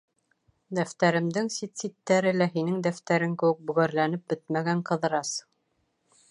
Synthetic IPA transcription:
d̪æft̪æɾɘ̆md̪ɘŋsit̪sit̪ːæɾɘlæɦinɘŋd̪æft̪æɾɘŋkɘ̆wɘ̆k̚bɵ̆ɣæɾlænɘp̚bɘt̪̚mæɡæɴqɤ̆ðɤ̆ɾɑs

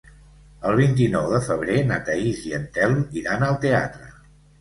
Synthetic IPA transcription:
əlˠβ̞int̪̬inɔwðəfəβ̞ɾenat̪əiziənt̪ɛlˠmiɾanəlˠt̪ea̰t̪ɾə

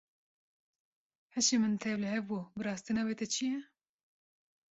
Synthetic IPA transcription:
hɛʃemɨnt̪ʰɛwlɨɦɛvbubɨɾɑːst̪inɑːweːt̪ɛt͡ʃʰijɛ

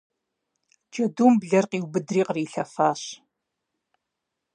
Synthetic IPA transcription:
d͡ʒʼɐduːmbɮɐrqiːwbɨdriːqriːɬɐfaːɕ

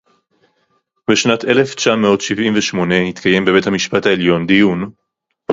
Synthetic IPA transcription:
beʃnatʰe̞le̞ft͡ʃameo̞tʃivʔimveʃmo̞nenit̪kʰaje̞mbebe̞thamiʃpataeljo̞nd̪ijun

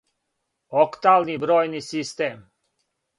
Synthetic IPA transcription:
okt̪aːlnibɾoːjnisist̪eːm

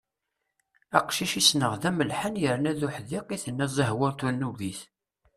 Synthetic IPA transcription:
æqʃiʃisnəʁðæməlħənjəɾnæðuħðiqiθənːæzˤəɦwəɾt̪unːuviθ

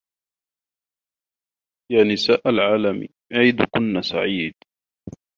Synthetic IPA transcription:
jaːnɪsaːʔalʕaːlam | ʕiːd̪ʊkʊnːasa̰ʕiːd̪

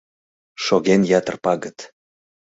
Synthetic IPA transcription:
ʃoɣenjɑt̪ərpɑɣət̪

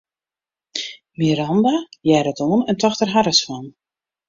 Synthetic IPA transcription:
miɾɑndajɛɾətoənɛntɔxtərɦaɾəsfan

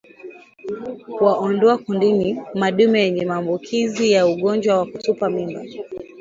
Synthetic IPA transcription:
kuwaʔɔndɔakundinimaɗumɛjɛɲɛmaːmbukʰizijauɠɔnd͡ʒwawakutupamimba̰

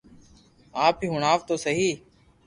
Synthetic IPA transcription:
aːpiːɦʊɳaːʋt̪oːsəɦiː

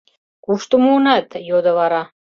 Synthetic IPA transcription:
kuʃt̪umuunɑt̪jod̪əvɑɾɑ

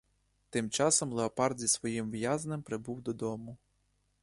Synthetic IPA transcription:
t̪ɪmt͡ʃɑsɔmlˠeɔpɑrd̪zʲisʋɔjimʋjazɐnɛmpɾɪbuwd̪ɔd̪ɔmʊ

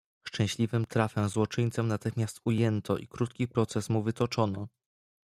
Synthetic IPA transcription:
ʂt͡ʂɛ̃w̃ɕlʲivɘmt̪ɾafɛzwɔt͡ʂɘɲt̪sɛmnat̪ɘxmʲjast̪ujɛnt̪ʰɔʔḭkɾut̪kʲipɾɔt̪sɛsmuvɘt̪ɔt͡ʂɔnɔ

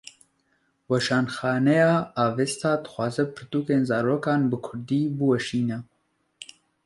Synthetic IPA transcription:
wɐʃɑːnxɑːnɛjɑːɑːveːst̪ʰɑːd̪ɨ̥xwɑːzɛpʰɨɾt̪uːkeːnzɑːɾoːkɑːnbɨkʰʊɾd̪iːbɨwɐʃiːnɛ

